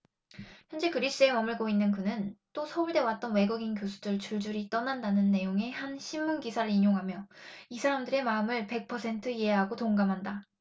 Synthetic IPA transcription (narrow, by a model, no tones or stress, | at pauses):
çjʌnd͡ʑe̞kɯɾis͈ɯe̞mʌmɯɭɡoinːɯnkɯnɯnt͈osʰʌuɭde̞wat̚t͈ʌnwe̞ɡuɡinkjosʰu̥dɯɭt͡ɕuɭd͡ʑuɾit͈ʌnandanɯnːe̞joŋe̞hanɕʰimːunɡisʰaɾɯɾiɲoŋɦamjʌisʰaɾamdɯɾe̞maɯmɯɭpe̞k̚pʰʌsʰe̞ntʰɯiɦe̞ɦaɡotoŋɡamɦanda